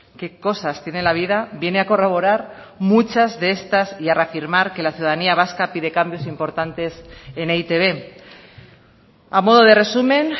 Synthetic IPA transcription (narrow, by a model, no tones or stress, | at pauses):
ke̞ko̞sast̪je̞nelaβ̞iðaβje̞neako̞raβ̞o̞ɾaɾ | mut͡ʃazðee̞st̪asiareafiɾmaɾke̞laθjuðaðaniaβ̞askapiðe̞kambjo̞simpo̞ɾt̪ant̪e̞seneit̪e̞β̞e̞ | amo̞ð̞o̞ðe̞re̞sumẽ̞n